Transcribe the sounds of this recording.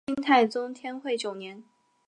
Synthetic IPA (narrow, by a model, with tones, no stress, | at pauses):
i˥ŋt̪ʰa˥˩ɪt͡sʊ˥ŋt̪ʰjɛ˥nxwe˥˩ɪt͡ɕjo˨˩ʊnjɛ˧˥n